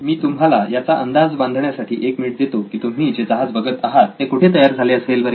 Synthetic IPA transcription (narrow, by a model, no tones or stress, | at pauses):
miːt̪umɦalajat͡saʔənd̪ad͡zband̪ʱɳjasaʈʰiːʔekmiːʈ̚d̪et̪okiːt̪um̤iːd͡ʑed͡zəɦad͡zbəɡət̪aɦat̪ːekuʈʰet̪əjaɾd͡zʱaleəselʋəɾ